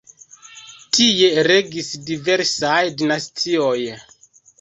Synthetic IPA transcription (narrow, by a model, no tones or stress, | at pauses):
tie̞ɾe̞ɡisdive̞ɾsajdinastʰio̞j